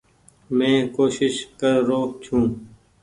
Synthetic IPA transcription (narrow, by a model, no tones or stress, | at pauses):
mɛ̃ːkoːʃɪʃkəɾːoːkt͡ʃʰũː